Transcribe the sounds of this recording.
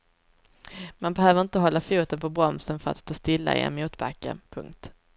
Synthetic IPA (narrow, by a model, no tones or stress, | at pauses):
manbɛɦøːvəɾɪnt̪əɦɔlːafuːt̪ənpʰɔbɾɔmsənfœɾa̰t̪st̪oːst̪ɪlːa̰ɪ̰ɛ̰nmuːt̪ba̰kːə̰pʰɵ̰ŋkt̪